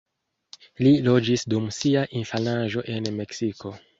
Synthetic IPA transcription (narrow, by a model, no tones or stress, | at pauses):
lilo̞d͡ʒisdumsiaʔinfanaʒo̞ʔe̞nme̞ksiko̞